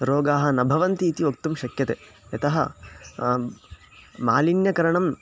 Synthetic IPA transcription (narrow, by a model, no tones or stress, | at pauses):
ɾoːɡaːɦɐ̆nɐbʱɐʋɐnt̪iːt̪iʋokt̪umʃɐkjɐt̪eːjɐt̪ɐɦɐ̰ | maːlinjɐkɐɾɐɳɐm